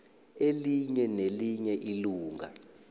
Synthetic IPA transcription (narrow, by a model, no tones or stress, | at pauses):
eliɲɛneliɲɛʔiluːŋa̰